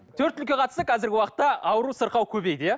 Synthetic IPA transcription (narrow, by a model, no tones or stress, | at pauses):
t̪ʰɵɾt̪ːʏlkʲe̞qʰɑt̪əst̪əqʰɑzɪɾɡʲɪwɑqə̥t̪ːɑɑwəɾusəɾqɑwkʲʰɵbe̞jd̪